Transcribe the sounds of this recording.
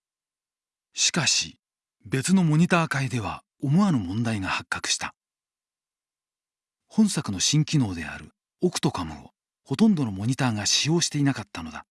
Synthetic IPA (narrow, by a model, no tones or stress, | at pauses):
ɕi̥kaɕḭ | be̞t͡sɨno̞mo̞ɲ̟it̪aːkaid̪e̞β̞a̰ | omoaɾɯ̟mõ̞nd̪aiŋahakːakɯ̟̥ɕi̥t̪a | hõ̞ɰ̃sakɯ̟no̞ɕĩŋkʲino̞ːd̪e̞̰a̰ɾɯ̟ | okɯ̟̥t̪o̞kamɯ̟̰o̞̰ | ho̞t̪õnd̪o̞no̞mo̞ɲ̟it̪aːɡaɕijo̞ːɕi̥t̪e̞inakat̪ːano̞d̪a